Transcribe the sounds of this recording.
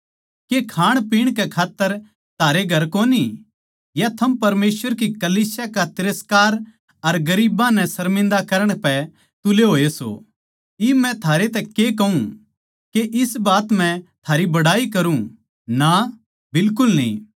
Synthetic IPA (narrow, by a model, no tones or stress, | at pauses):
kekʰaːɽ̃piːɽ̃kɛkʰaːt̪ːəɾ | t̪ʰaːɾeɡʱɐɾkoːni | jat̪ʰɐmpɐɾmeːswʋəɾkikɐliːsjakat̪ɪɾəskaːɾ | ɐɾɡɐɾiːbãnɛ̃sɐɾmɪ̃nd̪akɐɾəɽ̃pɛ | t̪ʊleɦoːeso̰ː | imɛ̃t̪ʰaːɾet̪̬ɛkekɐɦũ | keʔɪsbaːt̪mɛ̃t̪ʰaːɾibɐɽaːikɐɾũ | na | bɪlkʊlnḭ̃ː